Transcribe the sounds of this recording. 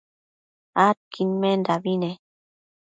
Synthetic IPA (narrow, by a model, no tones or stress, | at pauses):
at̚kʰinmɛndabinɛ